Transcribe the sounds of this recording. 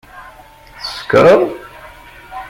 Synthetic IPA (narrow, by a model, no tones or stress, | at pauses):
θə̥sə̥kɾəðˤ